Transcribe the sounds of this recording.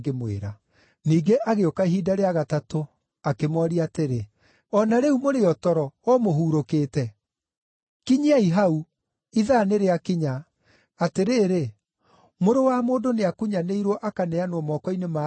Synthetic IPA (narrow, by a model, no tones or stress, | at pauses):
ɡemwḛɾa | niːɡeʔaɣeokaiɦiːdaɾeaɣatato | akemwɔɾiateɾe | ɔnaɾɛumoɾeɔtɔɾɔɔmoɦuːɾokeːtɛ | kiɲiaiɦau | iðaneɾeakiɲa | ateɾeːɾe | moɾowamoːdoneakuɲaneiɾwɔʔakanɛanwɔmɔkɔinema